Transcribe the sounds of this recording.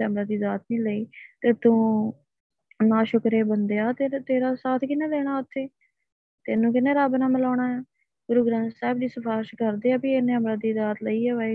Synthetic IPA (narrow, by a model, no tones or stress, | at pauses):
ɛəmɾaːd̪iːzaːt̪nĩːləiːt̪eːt̪ũː | nãːʃʊkɾeːbənd̪eːaːt̪eːt̪eːɾaːsaːt̪ʰkɪneːlɛːɽ̃aːʊt̪ʰːeː | t̪enːũːkɪneːɾaːbnãːmɪlaːɳaːaː | ɡʊɾuːɡɾãːnsaːɪbd̪iːsəpʰaːɪʃkəɾd̪eːaːbieneəmɾaːd̪iːzaːt̪ləiːɛːʋaːe